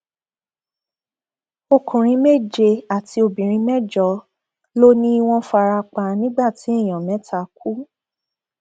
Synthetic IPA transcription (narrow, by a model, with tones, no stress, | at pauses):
o˧kũ˨ɾ̃ĩ˧˦me˦˨d͡ʒe˧a˨tʰi˧o˧bĩ˨ɾ̃ĩ˧˦mɛ̃˦˨d͡ʒɔ˨˦ | lo˦nĩ˦i˧w̃ɔ̃˧fa˧ɾa˧k͡pa˧nĩ˦ɡ͡ba˦˨ti˨˦i˦˨j̃ɔ̃˨mɛ̃˨˦tʰa˦˧k̚u˨˦